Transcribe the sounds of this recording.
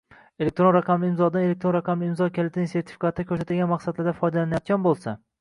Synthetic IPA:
elek̚t̪ɾo̞nɾɑqʰɑmlɪɪmzɒd̪anelek̚t̪ɾonɾɑqʰɑmlɪɪmzɒkʲalɪt̪ʰɪnɪse̞ɾt̪ʰɪ̥fi̥kat̪ʰːɪkʰɵɾsat̪ɪlɡʲanmɑqsad̪laɾd̪afɒjd̪alanajɒt̪̚ɡʲanbolˠsa

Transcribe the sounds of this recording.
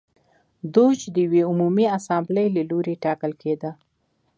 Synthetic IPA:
d̪ot͡ʃd̪əjweumumiasambləjlaloɾeʈɑkəlked̪a

